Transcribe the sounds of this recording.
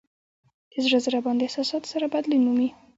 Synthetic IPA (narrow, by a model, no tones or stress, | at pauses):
d̪̥əzɽazəɾabɑnd̪eɪhsɑsɑt̪o̥saɾabad̪linumi